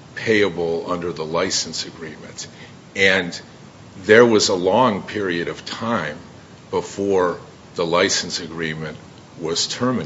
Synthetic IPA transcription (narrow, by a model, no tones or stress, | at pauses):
pʰeɪɨbl̩ˠʌ̃ndə˞ðəlaɪsn̩sɨɡɹĩmɨ̰̃nt | ɨ̃n | ðə˞wʌzəlɔ̃ŋpʰɪɹiɨɾʌv̥tʰãɪ̃m | bəfɔɹ | ðəlaɪsn̩sɨɡɹĩmɨ̃nʔ | wʌz̥tʰɜ˞mɨ